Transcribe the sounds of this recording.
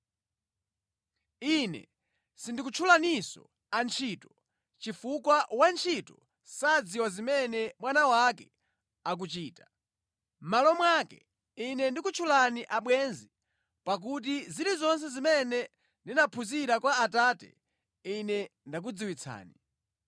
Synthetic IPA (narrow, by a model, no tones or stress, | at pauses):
inɛ̰ | sindikut͡ʃʰulanisɔ̰ | ant͡ʃʰitɔ | t͡ʃifukwawant͡ʃʰitɔ | sad͡ziwazimɛnɛmwanawakɛ | ak̬ut͡ʃiːta | m̩malɔmwakɛ̰ | inɛndikut͡ʃʰulaniʔaɓwɛnzi | pak̬ut̬iziɾizɔns̬ɛzimɛnɛ | ndinapʰuziɾakwaːtatɛ̰ | inɛndak̬ud͡ziwit͡sʰa̰ːni